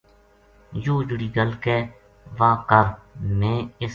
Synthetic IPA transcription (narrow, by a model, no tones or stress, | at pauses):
joːd͡ʒʊɽiːɡəlkɛː | ʋaːkəɾmẽːɪs